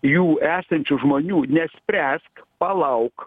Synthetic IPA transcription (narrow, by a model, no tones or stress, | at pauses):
juːæːsɐnʲt͡ʃʲʊʒmoːnʲuːnʲɛsʲpʲɾʲæːskpɐlˠɐʊk